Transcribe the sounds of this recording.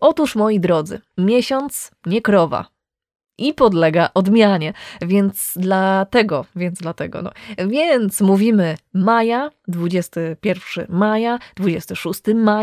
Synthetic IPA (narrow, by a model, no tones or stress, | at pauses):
ʔɔt̪uʂmɔjid̪ɾɔd̪zɘ̰mʲjɛɕɔnt̪sɲɛkɾɔva̰ | ʔipɔd̪lɛɡaʔɔd̪mʲjaɲɛvʲjɛnt̪sd̪lat̪ɛɡɔvʲjɛnd̪zd̪lat̪ɛɡɔ̰nɔ̰vʲjɛnt̪smuvʲimɘmajad̪vud͡ʑɛst̪ɘpʲjɛɾfʂɘ̰majad̪̥vud͡ʑɛst̪ɘʂust̪ɘma